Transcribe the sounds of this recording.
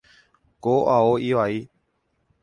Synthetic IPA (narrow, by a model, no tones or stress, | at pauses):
koʔaoiʋai